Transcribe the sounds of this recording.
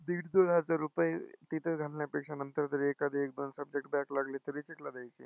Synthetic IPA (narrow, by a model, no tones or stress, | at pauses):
d̪iːɽd̪oɽɦəd͡zaɾːupəjet̪it̪ʰeɡʱalnjapekʂanənt̪əɾt̪əɾiekad̪ʱiek̚d̪onsəb̚d͡ʑek̚ʈbɛklaɡlet̪əɾit͡ɕeʈlad̪ajt͡ɕe